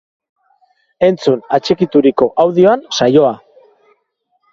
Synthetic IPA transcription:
e̞nt͡sunat͡ʃekit̪uɾiko̞ʔawðio̞ansajo̞a

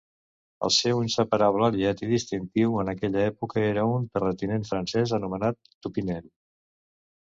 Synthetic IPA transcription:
ə̰lˠsɛwinsəpəɾaβ̞ləːliat̪iðist̪int̪iwənəkɛʎəɛpukəeɾəunp̪ərət̪ineɱfɾənsɛzənumənat̪ːupinɛl

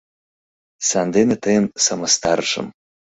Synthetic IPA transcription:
sand̪enatʰajɪmsamɐstʰarʂʷɨ̰m

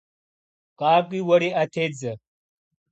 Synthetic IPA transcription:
qʼaːkʷʼiwɐɾiʔatʰed͡zɐ

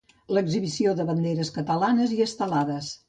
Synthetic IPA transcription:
ləɡziβisioðəβənd̪eɾəskət̪əlanəziəst̪əlaðəs

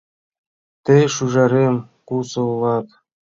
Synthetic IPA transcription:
t̪ɘʃuʒɑɾʲem | kusɤ̆lˠɑt̪

